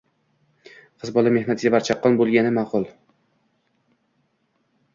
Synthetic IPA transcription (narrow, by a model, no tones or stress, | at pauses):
qʰɨzbɒlˠame̞hnat̪ʰɪɡʲabaɾt͡ʃʰɑqːɒnbolˠɡʲanɪmaqʊlˠ